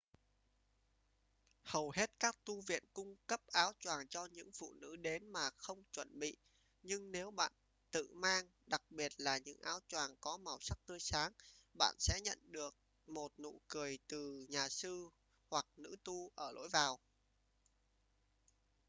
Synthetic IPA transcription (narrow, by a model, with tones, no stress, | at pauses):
hə˨˩whe˦˥t̚kaː˦˥k̚t̪u˧vḭ˧˨ənkʊ˧ŋ͡mkə˦˥p̚ʔaː˨˦wt͡ɕwaː˨˩ŋt͡ɕɔ˧ɲɨ̰˧˥ŋfṵ˧˨nɨ̰˧˥ɗe˨˦nmaː˨˩xə˧wŋ͡mt͡ɕwə˧˩nɓḭ˧˨ | ɲɨ˧ŋne˨˦wɓa̰ː˧˨n | t̪ɨ̰˧˨maː˧ŋ | ɗa˨˩k̚ɓi˨˩ət̚laː˨˩ɲɨ̰˧˥ŋʔaː˨˦wt͡ɕwaː˨˩ŋkɔ˨˦ma˨˩wsa˦˥k̚t̪ɨ˧əjsaː˨˦ŋɓa̰ː˧˨nsɛ̰˧˥ɲə̰˧˨nɗɨ˨˩ək̚ | mo˨˩t̚nṵ˧˨kɨ˨˩əjt̪ɨ˨˩ɲaː˨˩sɨ˧ | hwa˨˩k̚nɨ̰˧˥t̪u˧ʔəː˧˩lo̰˧˥jvaː˨˩w